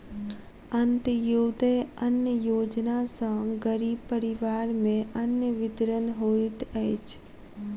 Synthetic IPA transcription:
ənt̪əjoːd̪əənjəjoːd͡ʒnasãɡəɾiːb̚pəɾɪʋaːɾmẽʔənjəʋɪd̪ɾənɦoːit̪əet͡ʃʰ

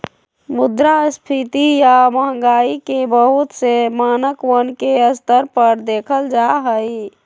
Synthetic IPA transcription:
mʊd̪ɾaspʰit̪ijaməɦŋɡaːikebəɦʊt̪semaːnəkʋənkeəst̪əɾpəɾd̪eːkʰəld͡ʒaɦəi

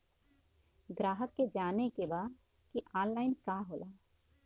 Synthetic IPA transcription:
ɡɾaːɦəkːed͡ʒaːnekebaː | kiʔaːnlaːɪnkaːɦoːlaː

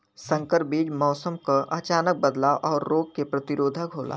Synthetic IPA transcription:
sə̃ŋkəɾbiːd͡ʒmɔːsəmkaʔət͡ʃaːnək̚bəd̪laːʔɔːɾːoːɡ̚kepɾət̪ɪɾoːd̪ʱəkɦoːlʔa̰ː

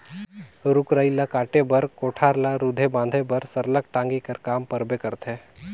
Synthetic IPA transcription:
ɾʊkɾəɪlakaːʈebəɾkoːʈʰaːɾlaɾud̪ʱebãːnd̪ʱebəɾsəɾləkʈãːŋɡikəɾkaːmpəɾbekəɾt̪ʰeː

